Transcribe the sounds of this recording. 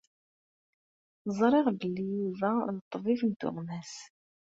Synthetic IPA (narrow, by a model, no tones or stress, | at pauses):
əzˤɾˤɪʁbəlːijuðænət̪ˤːvifənt̪ʊ̰ʁmæs